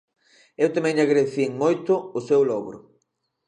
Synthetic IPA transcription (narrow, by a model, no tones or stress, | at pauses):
ewt̪amɛ̃ŋʎaɣɾeθiŋmojt̪ʊʊsewlɔɣɾʊ̰